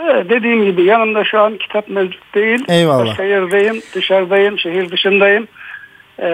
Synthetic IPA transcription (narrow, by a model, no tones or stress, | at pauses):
ɛd̪e̞d̪iːmɟibijanɯnd̪aʃuancʰi̥t̪ʰapmɛvd͡ʒu̥t̪̚d̪ejilʲejvalˠːʃajɯɾd̪ajɯnd̪̥ɯʃaɾd̪ajɯmʃeɦiɾd̪ɯʃɯnd̪ajɯn